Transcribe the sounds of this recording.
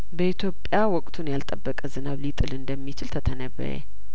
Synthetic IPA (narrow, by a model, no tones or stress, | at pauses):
bəʔit̪ʰjo̞pʼjawɔkʼt̪ʰunjalt̪ʼəbːəkʼəzɨnaβlit̪ʼɨlɨnd̪əmːit͡ʃɪlt̪ʰət̪ʰənəβə̰ɾḛ